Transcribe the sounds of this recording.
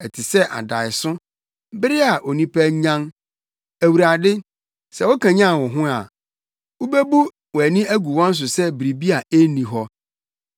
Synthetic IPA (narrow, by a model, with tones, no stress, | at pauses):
ɛ˨tʰi˨sɛ˦ʔa̰˨da˨ɪ˨sʊ̃˦ | bɪ˦ɾɪ˦a˨ʔɔ˨nĩ˦pʰæ˦ɲã˦n | æ˨wu˨ɾa˨dɪ˦ | sɛ˨wɔ˦kʰã˨ɲã˦˨wɔ˨ɦʊ̃˦a˨ | u˦be˦bu˦ | wɔ˨æ˨nĩ˦æ˦ɡu˨wɔ̃˦n̩˦s̬ʊ˨sɛ˦bɾi˨bi˦a˨e˦nĩ˨ɦɔ˦